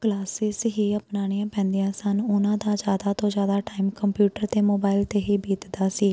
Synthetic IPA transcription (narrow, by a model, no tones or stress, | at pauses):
klaːsɪsɦiːəpnaːɽ̃ijãːpɛ̃ːnd̪iãːsənʊnãːd̪aːzjaːd̪aːt̪õːd͡ʒjaːd̪aːʈaːɪmkəmpjuːʈəɾt̪eːmoːbaːɪlt̪eːɦiːbiːt̪d̪aːsiː